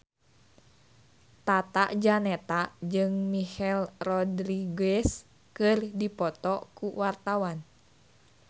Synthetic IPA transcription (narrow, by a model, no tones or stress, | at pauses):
t̪at̪aʔd͡ʒanɛt̪ad͡ʒɨŋmihɛlrɔdɾiɡɛs | kɨrdipɔt̪ɔkuwart̪awan